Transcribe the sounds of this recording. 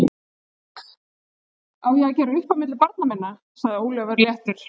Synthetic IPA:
awjaɣcɛːɾʏʏhpamɪt̪lɪpaɾt̪namɪnːa | saɣðɪoːwlœvaɾljɛht̪ʏɾ̥

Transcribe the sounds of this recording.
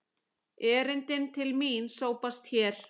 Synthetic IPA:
ɛːɾɪnt̪ɪnt̪ʰɪlminsoːwpast̪çɛːɾ̥

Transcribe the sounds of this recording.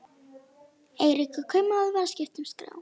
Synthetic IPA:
eːjɾikʏkʰœmːaaðvalscɪft̪ʏmskɾa̰ːw

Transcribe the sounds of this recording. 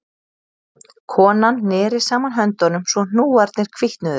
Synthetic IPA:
kʰɔːnanːɛːɾɪsaːmanɦœnt̪ɔnʏmsvɔn̥uːaɾt̪nɪɾ̥kʰviht̪nʏðʏ

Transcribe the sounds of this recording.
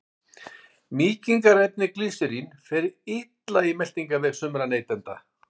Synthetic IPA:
miːciŋkaɾɛt̪̚nɪkliːsɪɾinfɛɾɪɪt̪laimɛl̥t̪iŋkavɛɣsʏmɾaneːjt̪ɛnt̪a̰

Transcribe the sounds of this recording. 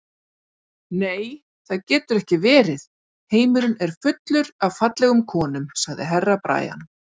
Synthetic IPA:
neːj | θaðcɛːt̪ʏɾɛhcɪvɛːɾɪð | heːjmʏɾʏnɛɾ̥fʏt̪lʏɾavfat̪lɛɣʏmkʰɔːnʏmsaɣðɪ̰ɦɛrːapɾa̰ːja̰n

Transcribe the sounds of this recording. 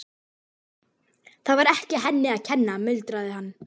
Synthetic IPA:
θaðvaɾɛhcɪɦɛnːɪaðcʰɛnːamʏlt̪ɾaðɪɦanː

